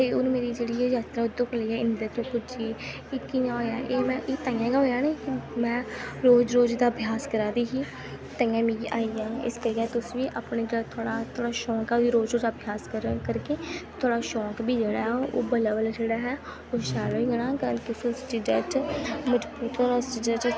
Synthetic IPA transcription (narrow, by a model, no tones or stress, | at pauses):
t̪eːonːmeːɾiːd͡ʒeːɽiːɛːzaːt̪ɾaːʊd̪õːkəliːɛːɪnd̪et̪õːpʊd͡ʒieː | ɪkɪjãːɦoːjaːʔeːmɛ̃ːʔiːt̪aːɪjãːɡaːɦoːjaːnekɪmɛ̃ːɾoːd͡ʒɾoːd͡ʒd̪aːəbʱjaːskəɾaːd̪iːɦiː | t̪aːjãːmĩːɡiʔaːijãːɪ̰skəɾɛːt̪ʊsʋiːʔaːpneːd͡ʒeːɽaːt̪ʰʊaːɽaːt̪ʰoːɽaːʃɔːkɛd̪iːɾoːd͡ʒɾoːd͡ʒ̪aːbʱjaːskəɾkəɾkeːt̪ʰʊaːɽaːʃɔːkbiːd͡ʒeːɽaːɦɛo̰ːbələʋəld͡ʒeːɽaːɦɛː | oʃaːloːiːɡəɽãːkət̪ʊsõsʈɪɖəʈməd͡ʒbuːt̪osʈɪɖəʈ